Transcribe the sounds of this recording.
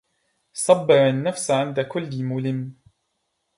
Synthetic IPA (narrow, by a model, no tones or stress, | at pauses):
sˤɑbːɪɾanːafsʕɪnd̪akʊlːmʊlɪmː